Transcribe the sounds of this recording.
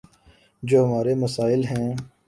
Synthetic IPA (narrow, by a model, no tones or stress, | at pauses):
d͡ʒoːɦɐmaːɾeməsaːɪlɦɛ̃ː